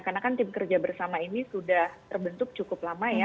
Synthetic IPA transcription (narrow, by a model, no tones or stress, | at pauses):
karnakant̪ɪmkərd͡ʒabərsamainisudaht̪ərbənt̪ʊk̚t͡ʃukʊplamaja